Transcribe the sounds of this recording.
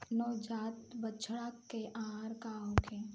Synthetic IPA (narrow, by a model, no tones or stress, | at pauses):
nɔːd͡ʒaːt̪bət͡ʃʰɽakːeʔaːɾkaɦokẽ